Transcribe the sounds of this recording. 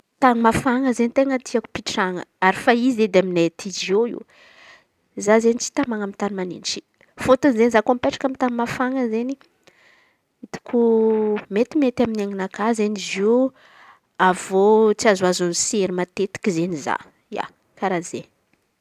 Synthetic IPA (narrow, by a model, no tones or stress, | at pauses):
t̪animafaŋəzent̪eŋət̪iaku̥piʈ͡ʂaŋə̰aɾifaized̪eaminet̪ʰid͡ʒoḭw | zazenit͡si̥t̪amaŋamint̪animanḭnʈ͡ʂi̥ | fot̪unizenizakompeʈ͡ʂḁkamit̪animafaŋəzeni | it̪u̥kumet̪imet̪aminaŋinakazenizi | avot͡siazwazunuseɾimat̪et̪i̥kizeniza̰ | ja̰ | kaɾaze